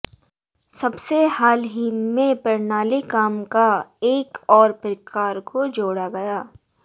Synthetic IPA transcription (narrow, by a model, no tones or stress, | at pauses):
sɐbseɦaːlɦimẽpɐɾnaːlikaːmkaeːkɔːɾpɾɪkʰaːɾkod͡ʒoːɽaɡɐjaː